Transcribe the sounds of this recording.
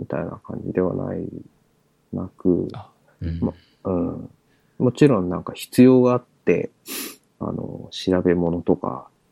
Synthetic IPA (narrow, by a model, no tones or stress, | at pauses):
mʲit̪ainakã̰ɲ̟d͡ʑid̪e̞βa̰na̰i | nakɯ̟ | m | ɯ̟̃ːɴ | mo̞t͡ɕiɾõ̞nːãŋkaçi̥t͡sɨjo̞ːɡaat̪ːe̞̰ | a̰no̞̰ɕiɾabe̞mo̞no̞t̪o̞ka̰